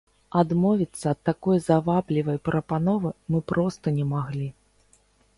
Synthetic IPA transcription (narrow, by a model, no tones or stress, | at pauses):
ad̪mɔvʲit̪sːɐːt̪ːakɔjzavablʲivɐjpɾʔɐpanɔvɨmɨpɾɔst̪ɐnʲɛmaɣlʲi